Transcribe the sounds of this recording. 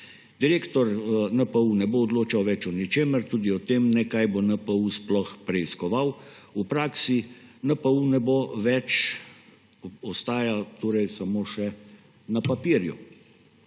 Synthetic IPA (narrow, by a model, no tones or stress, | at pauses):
d̪̥iɾeːkt̪ɔɾnəpəunɛboːd̪loːt͡ʃawʋɛt͡ʃɔnit͡ʃeːməɾt̪uːd̪iɔt̪eːmnɛkajbonəpəusplɔxpɾɛiskɔʋawupɾaːksinəpəunɛboʋɛt͡ʃ | ɔst̪aːjat̪oːɾɛjsamoːʃɛ | napapiːɾjṵ